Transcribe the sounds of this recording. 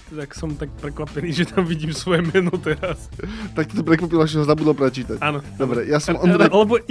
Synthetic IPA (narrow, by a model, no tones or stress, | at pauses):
t̪aksɛmt̪ak̚pɾɛkvapɛniːʒɛt̪amviɟiːmsʋojɛmɛːnot̪ɛɾast̪ak̚t̪ot̪pɾɛkʋapilaʒɛɦɔzabud̪ɛlpɾɛt͡ʃiːt̪acanod̪obɾɛjaːsɛmʔɔnd̪ɾʔalɛbo